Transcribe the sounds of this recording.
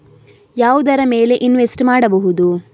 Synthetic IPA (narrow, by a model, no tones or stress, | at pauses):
jaːʋud̪ɐɾɐme̞ːle̞ʔinʋesʈmaːɽɐbɐɦud̪u